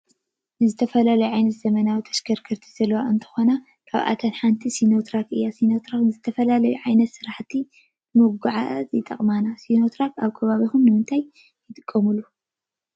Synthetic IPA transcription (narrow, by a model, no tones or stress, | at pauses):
nɨzɨt̪ʰɐfɐlalɐjuʕajnɐt̪z̥ɐmɐnawit̪ʰɐ̥ʃɡʰɐɾkʰɐɾt̪ʰi̥z̥ɐlːɐwaʔɨnt̪ʰɨ̥xo̞na | kʰaβʔa̰t̪ʰɐnħant̪ʰisino̞t̪ʰɾakɨjːasinot̪ʰɾakzɨt̪ʰɐfɐlalɐjuʕajnɐt̪sɨɾaħt̪ʰi | moɡuʕat̪jɪt̪ʼɐχʼmanasino̞t̪ʰɾakaβkʰɐβaβixumnɨmɨnt̪ʰajː | ɪt̪ʼɨkʼːɐmulːu